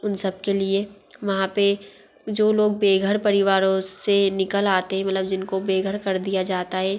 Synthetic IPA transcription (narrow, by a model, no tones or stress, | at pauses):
ʊnsɐb̚kelie | ʋɐɦãpe | d͡ʒoːloːɡ̚beːɡʱəɾpɐɾɪʋaːɾõsenɪkəlaːt̪eɦɛ̃mɐt̪ləbd͡ʒɪnkobeːɡʱəɾkɐɾd̪ijad͡ʒaːt̪aɦɛː